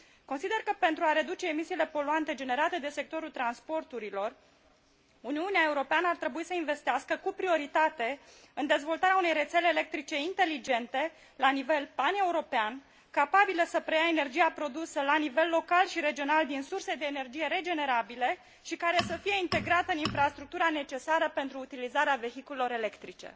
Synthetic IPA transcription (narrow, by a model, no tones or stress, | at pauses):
ko̞nsid̪e̞rkəpe̞nt̪ɾuaɾe̞d̪ut͡ʃe̞ːmisiːle̞po̞luant̪e̞d͡ʒe̞ne̞ɾat̪e̞d̪e̞se̞k̚t̪o̞ɾult̪ɾanspo̞rt̪uɾilo̞r | uniuneaeuɾo̞peanəart̪ɾe̞buisəinve̞st̪easkəkupɾio̞ɾit̪at̪e̞ | ɨnd̪e̞zvo̞lt̪aɾeaune̞jre̞t̪se̞leːle̞k̚t̪ɾit͡ʃe̞int̪e̞lid͡ʒe̞nt̪e̞ | lanive̞lpane̞uɾo̞pean | kapabiləsəpɾejaene̞rd͡ʒijapɾo̞d̪usəlanive̞lːo̞kalʃiɾe̞d͡ʒio̞nald̪insurse̞d̪e̞ːne̞rd͡ʒije̞ɾe̞d͡ʒe̞ne̞ɾabile̞ | ʃikaɾe̞səfijeint̪e̞ɡɾat̪əɨninfɾast̪ɾuk̚t̪uɾane̞t͡ʃe̞saɾəpe̞nt̪ɾuːt̪ilizaɾeave̞çikulelo̞ɾe̞le̞kt̪ɾit͡ʃe̞̰